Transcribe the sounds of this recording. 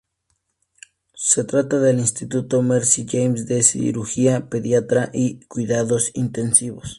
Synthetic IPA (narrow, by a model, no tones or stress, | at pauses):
set̪ɾat̪aðelinst̪it̪ut̪omeɾsiʝejmsd̪esḭɾuxiapeðjat̪ɾaʔikwiðaðosint̪ensiβos